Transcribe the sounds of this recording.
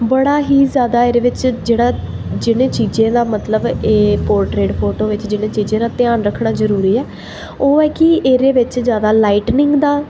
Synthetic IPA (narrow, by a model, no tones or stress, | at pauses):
bəɽaːɦiːzjaːd̪aːeːɾeːʋɪt͡ʃd͡ʒeːɽaː | d͡ʒɪnẽːt͡ʃiːd͡ʒẽːd̪aːmət̪ləbeːpoːɾʈɾeːɖpʰoːʈoːʋɪt͡ʃd͡ʒɪnẽːt͡ʃiːd͡ʒẽːd̪aːt̪ɪjaːnɾəkʰɽaːzəɾuːɾiːɛː | oːɛːkɪeːɾeːʋɪt͡ʃzjaːd̪aːlaːɪʈnɪ̃ŋɡd̪aː